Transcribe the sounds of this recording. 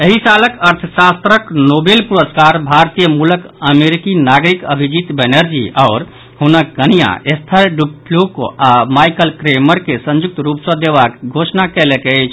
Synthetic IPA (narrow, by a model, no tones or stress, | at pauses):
eɦisaləkəɾt̪ʰsast̪ɾəknobelpuɾəskaɾbʱaɾt̪ijəmuləkəmeɾikinaɡɾikəbʱid͡ʒit̪bɛnəɾd͡ʒḭaʊɾ | ɦunəkɡənija̰est̪ʰəɾɖuplukoamajkəlkɾeməɾkesə̃nd͡ʒuk̚t̪ɾupsə̃d̪ebakɡʱosnakɛlekeɛt͡ʃʰ